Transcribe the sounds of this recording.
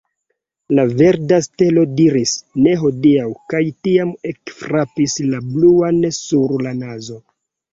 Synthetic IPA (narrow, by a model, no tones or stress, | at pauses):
lave̞ɾdaste̞lo̞diɾisne̞ɦo̞diawkajtiamekfɾapislabluansuɾlanazo̞